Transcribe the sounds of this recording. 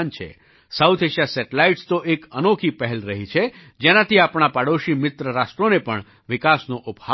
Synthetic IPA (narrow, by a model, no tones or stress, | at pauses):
nt͡ʃʰḛ | sawt̪ʰeʃijasɛʈelaiʈst̪oʔekənokʰipəɦɛlɾəɦit͡ʃʰe | d͡ʒenat̪ʰiapɳapaɽoʃimɪt̪ɾəɾasʈɾonepəɳ | ʋɪkasnoʔupha